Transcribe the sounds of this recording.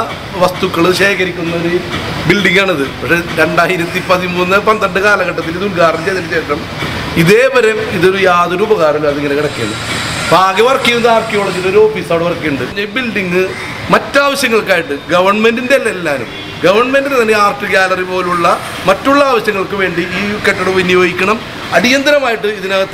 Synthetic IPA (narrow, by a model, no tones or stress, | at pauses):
ʋɐst̪ukːɐɭɨɕeːkɐɾikʲːunːɐoɾu | bilɖiŋɡaːɳiðɨpɐkʂe̞ɾe̞ɳɖaːjiɾɐt̪ːipɐðimuːnːɨpɐnd̪ɐɳɖɨkaːlɐɣɐʈːɐt̪ːiliðulkaːɾnt͡ɕeːt̪inːɐt͡ɕeːʂrɐm | iðe̞ːbɐɾemiðo̞ɾujaːðuɾuːbɐɣaːɾɐlumɐðiŋːɐne̞kiɽɐkːeːnːɨ | bʱaːɡɐʋɐrkːijunːaːrkːijoːɽɐŋɡido̞ɾuo̞ːfiːsaːʋɐɽeɐrkːijuɳɖɨɲːɐbilɖiŋːɨ | mɐtːaːʋɐɕjɐŋːɐɭkːaːjiʈːɨɡɐʋɐrɳme̞ndindelːelːaːnṵm | ɡɐʋɐrɳme̞ndinet̪ɐnːeaːrʈːɨkaːlɐripo̞ːluɭːɐ | mɐtːuɭːɐaːʋɐɕjɐŋːɐɭkɨʋe̞ːɳɖiiːkeʈːɐɽɐmʋinːjo̞ːɡikʲːɐɳɐm | ɐɽijɐnd̪ɐɾɐmaːjiʈːɨiðinɐɐt̪ː